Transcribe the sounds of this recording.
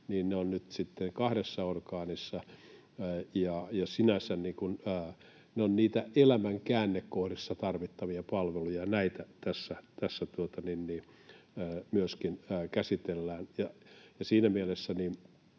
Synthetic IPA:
niːnneonnyt̪sit̪ːeŋkɑhɾesːɑorkɑːnisːɑ | jɑjɑsinæsænniːkunː | neonniːt̪æelæmæŋkæːnːekkohrisːɑt̪ɑrʋit̪ːɑʋiɑpɑlʋelujɑnæit̪æt̪æsːæt̪æsːæt̪uot̪ɑninniː | myøskinːkæsit̪elːæːnjɑjɑsiːnæmielesːæniː

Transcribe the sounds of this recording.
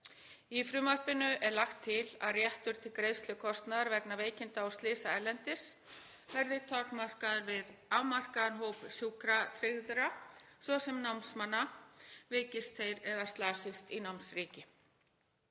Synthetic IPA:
ifɾʏmœr̥pɪnʏʔɛɾlaxt̪ʰːɪla̰ðrjɛht̪ʏɾ̥t̪ʰɪlkɾeːðfst̪lʏkʰɔst̪naðaɾvɛknaveːjcɪnt̪aawst̪lɪːsaɛɾlːɛnt̪ɪs | vɛɾðɪt̪ʰɔknmar̥kaðɾvɪðamar̥kaanɦowpsjuːkɾat̪ʰɾɪɣðʏɾa | svɔsɛmnawnsmanːaveːjcɪst̪θejɾɛðast̪laːsɪst̪inawnsɾiːcɪ

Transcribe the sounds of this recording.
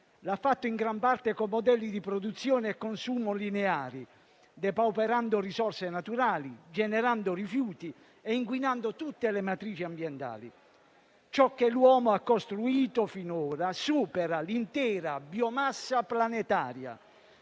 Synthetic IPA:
lafːat̪ːoiŋɡɾampart̪ekomːod̪ɛlːid̪ipɾɔd̪ut̪sːjɔːneɛkːonsuːmolineaːɾi | d̪ɛpawpɛɾand̪ʊrisɔrsenat̪uɾaːlid͡ʒɛnɛɾand̪ʊrifjuːt̪i | ɛiŋkwinand̪ot̪ut̪ːelemat̪ɾiːt͡ʃiambjɛnt̪a̰ːlḭ | t͡ʃɔkːelwɔːmoakːost̪ɾuiːt̪ofinoːɾasuːpɛɾalint̪ɛːɾabjɔmasːaplanet̪a̰ːɾja̰

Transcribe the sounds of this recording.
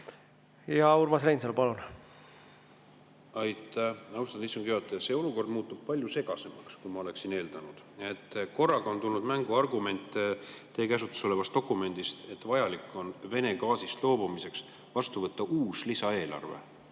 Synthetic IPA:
jɑurmɑsrejnsɑlpɑlun | ɑjt̪æɑwst̪ɑnd̪isːuŋɡ̥yot̪ːˑese̞ːo̞luko̞rd̪muːt̪ːub̥̚pɑlʲjuse̞ɡ̥ɑse̞mɑkskujmɑo̞le̞ksine̞ːld̪ɑnud̪̥e̞t̪ːko̞rːɑɡ̥ɑont̪ulnud̪mæŋɡuɑrɡume̞nʲt̪ːˑet̪ːe̞ːkæsut̪ːˑu̥so̞le̞vɑst̪o̞kːˑume̞nd̪̥ist̪e̞t̪ːˑvɑjɑlikːˑo̞nve̞ne̞ɡɑːsist̪lo̞ːbumise̞ks | vɑst̪uvɤt̪ːɑʔuːslisɑe̞ːlɑ̰rve̞̰

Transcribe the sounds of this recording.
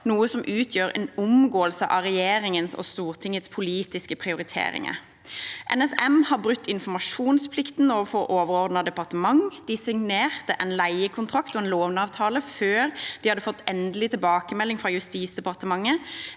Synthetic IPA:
nuːəsɔmʔʉːt̪ʰjøːɾɛ̰ːnʊmɡoːəlsəʔɑ̰ʁɛjeːɾɪŋənsɔ̰st̪uːʁt̪ʰɪŋət̪spʰʊliːt̪ɪskəpʰʁɪʊɾɪt̪ʰḛːɾɪ̰ŋə̰ | ʔɛ̰nɛsɛmhɑːʁbɾʉt̪ːɪnfɔmɑʃuːnspʰlɪkt̪noːʋəfɔʁʔoːʋəɾɔʁd̪nɑd̪ɛpɑʁt̪əmɑŋd̪̥ɪsɪŋneːʁt̪əʔɛnlæɪəkʰʊnt̪ʰʁɑkt̪ɔɛːnloːʋnɑːʋt̪ʰɑːləføːʁd̪̥ihɑd̪ːəfɔt̪ːɛnd̪əlɪt̪ʰɪlbɑːkəmɛlːɪŋfʁɑjʉst̪iːsd̪ɛpɑʁt̪əmɑŋːə

